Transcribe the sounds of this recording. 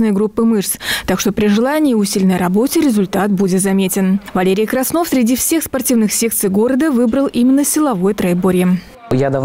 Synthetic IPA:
nɨjəɡɾupːɨmɨʂst̪akʂt̪opɾʲɪʐɨlˠanʲɪːʊsʲilʲnəjrɐbo̞tʲɪɾʲɪzʊlʲt̪at̪budʲɪt̪zɐmʲetʲɪnvɐlʲeɾʲɪjkɾɐsnofsʲɾʲɪdʲifsʲe̞xspɐrtʲivnɨxsʲe̞kt̪sɨjɡo̞ɾəd̪əvɨbɾəlˠʔimʲɪnːəsʲɪlˠɐvo̞jət̪ɾɐɪboɾʲɪjɪ | jad̪ɐv

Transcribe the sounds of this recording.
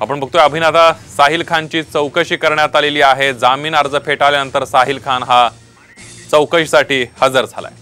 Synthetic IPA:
apəɳbʱək̚t̪ojaəbʱinat̪asaɦiːlkʰãɲt͡ɕiːt͡səwkəɕiːkəɾɳjat̪aleliːaɦed͡zamiːnaɾd͡zəpʰeʈalenənt̪əɾsaɦiːlkʰanɦa | t͡səwkəɕsaʈiːhəd͡zəɾd͡zʱa̰la̰je

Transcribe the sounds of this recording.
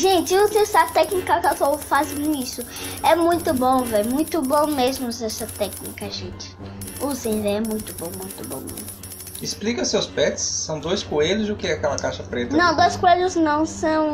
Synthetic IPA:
ʒẽt͡ʃɪuzesɐt̪ɛknikɐkatofazẽisʊ | ɛmũj̃t̪ʊbõw̃vɛjmũj̃t̪ʊbõmezmʊzɛsɐt̪ɛknikɐʒẽt͡ʃɪ̥uzẽj̃vɛjɛmũj̃t̪ʊbõw̃mũj̃t̪ʊbõ̰mḛzmʊʊ | ɪsplikɐsewspɛt͡ʃɪ̥sːɐ̃w̃d̪ojskueʎʊzdʊkɪɛakɛlɐkaʃɐpɾet̪nɐnɐ̃w̃d̪ojskueʎʊznɐ̃w̃sɐ̃w̃

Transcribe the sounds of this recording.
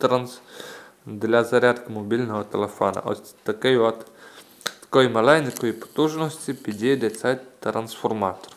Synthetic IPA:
t̪ɾans | d̪lʲazɐɾʲat̪kəmobʲilʲnoɦot̪ɛlɛfɔnɐ̰ʔɔ̰sʲt̪ʲt̪ːɐkɛjɔt̪ | kɔimɐlajnʲɛkoipo̥t̪uʒnost̪ʲipid̪ʲid̪ɛt̪sajt̪t̪ɾɐnsfoɾmat̪o̥ɾ

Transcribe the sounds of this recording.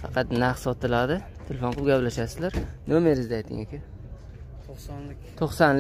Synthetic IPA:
fɑ̰qʰɑt̪nasɒt̪ʰɪlad̪ɪ | t̪ʰelʲefoɴʰʊp̚ɡʲaplaʃasɪzlaɾnomeɾɪzd̪ajt̪ʰːɪ̰ŋekʲa | t̪ʰoχsanlɪ

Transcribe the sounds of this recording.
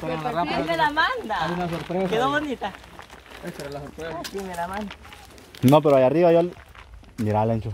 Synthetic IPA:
feɾalaramelamand̪aajunasoɾpɾeskeðoβond̪it̪a | eseɾalasoɾpɾesasimelamãnd̪a | nop̬eɾoajariβajal | miɾalent͡ʃo

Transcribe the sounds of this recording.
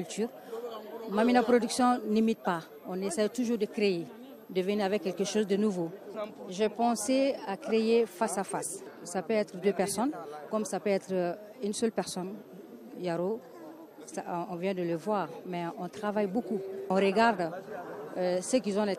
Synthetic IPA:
kylt̪yːʁ | maminapɾod̪yksjɔ̃nimit̪̚pa | ɔ̃nesɛjt̪uʒuːʁd̪əkɾeje | d̪əvəniavɛkːɛlkəʃozd̪ənuvoʒɛpɑ̃seakɾejefasafassapøɛt̪ʁəd̪øpɛʁsɔnkɔmsapøɛt̪ɾə | ynsœlpɛʁsɔn | jaɾo | sãɔ̃vjɛ̃d̪ələvwaːʁmɛɔ̃t̪ʁavajbokuɔ̃ɾəɡaʁd̪ | øsəkilzɔ̃dɛ

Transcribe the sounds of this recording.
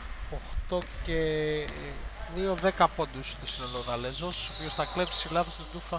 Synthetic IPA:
oxt̪oce | nioðekɐpond̪ust̪osinoloðɐlezosopiost̪ɐklepsilɐθost̪od̪ufɐ

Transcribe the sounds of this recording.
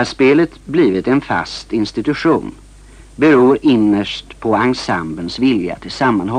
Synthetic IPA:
æʂpeːlət̪bliːvɪt̪ɛnfa̰st̪ɪnst̪ɪt̪ɵɧuːn | bɛɾuːɾɪnːəʂʈpʰɔaŋsambənsvɪlja̰t̪ʰɪlsamːanɦɔ

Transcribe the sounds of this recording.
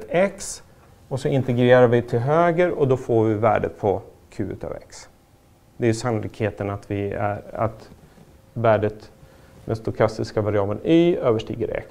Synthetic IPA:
t̪ɛks | ɔsɔɪnt̪ɛɡɾeːɾaɾvɪt̪ʰɪlɦøːɡəɾɔd̪ɔfoɾvɪvæ̰ːɖə̰t̪pʰɔ | kʰʉ̟ːʉ̰ːt̪ʰɑ̰vɛ̰ks | d̪ɛæɾjɵsanʊlɪkheːt̪ənat̪vɪæ̰ɾa̰t̪ | væːɖət̪d̪ɛnst̪ʊkʰast̪ɪskavaɾɪɑːbənyːøːvəʂʈḭːɡəɾɛ̰k

